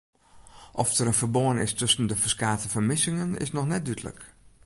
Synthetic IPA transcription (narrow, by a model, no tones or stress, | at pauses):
ʔɔftəɾənfərboənɪ̰stɵsəndəfəskaːtəfərmɪsɪŋənɪ̰snɔxnɛt̚dytələ̰k